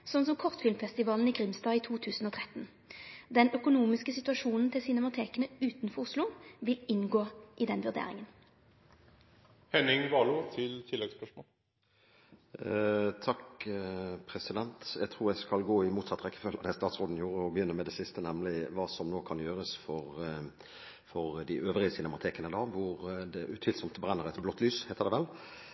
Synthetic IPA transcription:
sɔns̬ɔmkʰɔʁt̪fɪlmfɛst̪ɪʋɑːln̩ɪɡʁɪmsd̪ɑːiːt̪ʰuːt̪ʰʉːsn̩ɔːt̪ʰʁɛt̪ːn | d̪ɛnœkʊnuːmɪskəsɪt̪ʉɑʂuːnn̩t̪ʰɪlsɪnɛmɑt̪ʰeːkənəʉːt̪nfɔʁʊslʊʋɪlɪnɡoːʔɪd̪ɛnʋʉʁd̪ḛːɾɪ̰ŋən | hɛnɪŋʋɑːlʊt̪ʰɪlt̪ʰɪlːɛɡspœʂmoːl | t̪ʰɑk | pʰɾɛsɪd̪ɛnt̪jæɡt̪ʰʁuːʁjæɪskɑlɡoːɪmuːt̪sɑt̪ːəʁɛkːə̥fœlːəd̪æst̪ɑːt̪sʁoːd̪n̩juːʁəɔbəjʏnːəmɛd̪ɛsɪst̪ənɛmlɪʋɑːsɔmnoːkʰɑnjøːʁəsfɔʁ | fɔʁd̪ɪʔøːʋʁɪəsɪnɛmɑt̪ʰeːkənəd̪ɑʋʊʁd̪ɛʔʉt̪ʰyːlsɔmt̪bʁɛnːəʁɛt̪blɔt̪ʰːlyːshæɪt̪əd̪ɛʋɛl

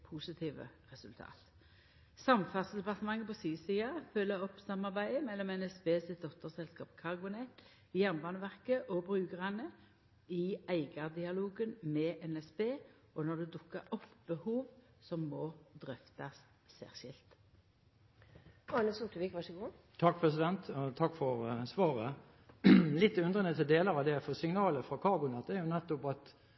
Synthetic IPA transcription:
pʰusɪt̪ʰiːʋə̰ʁɛsʉlt̪ʰɑ̰ːt̪ | sɑmfɑʁsd̪ɛpɑt̪əmɑŋːəpɔsiːsiːɑfœlːəɔpsɑmːɑʁbæɪəmɛlːɔmɛnɛspeːsɪt̪̚d̪ɔt̪əʁsɛlskɑːpkʰɑʁɡʊnɛt̪ | ɪjæʁnbɑːnəʋæʁkəʔɔbʁʉːɡəʁɑnə | ɪæɪɡɑd̪ɪɑluːɡənmɛːʔɛnɛsbeː | ɔnɔd̪ʉd̪ʊkːəɾɔpːbəhuːʋ | sɔmːɔd̪ʁʏft̪ɑsː | ɛ̰ʁʃɪlt̪ | ɑnəsʊʈ̪əʋiːkʋɑʂəɡuː | t̪ʰɑkːpʰɾɛsɪd̪ɛnt̪ɔt̪ʰɑkːfɔɾsʋɑːʁə | lɪt̪ːʉnd̪ʁənət̪ʰɪld̪eːləɾɑʋd̪ɛfɔʁsɪŋnɑːləfɾɑkʰɑʁbʊnɛt̪̚d̪ɛæɾjʊnɛt̪ːɔpɑt̪

